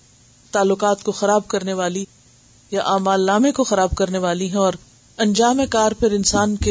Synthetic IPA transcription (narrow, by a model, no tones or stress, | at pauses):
t̪aːlːʊkaːt̪koxɐɾaːb̚kɐɾneʋaːli | jaʔaːmaːlːaːmekoxɐɾaːb̚kɐɾneʋaːliɦɛ̃ɔːɾ | ɐ̃nd͡ʒaːmekaːɾpɐɾɪnsaːnke